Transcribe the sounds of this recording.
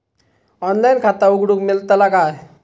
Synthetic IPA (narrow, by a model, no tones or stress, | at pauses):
ɔnlajnkʰat̪auɡɽukmilt̪əlaɡaj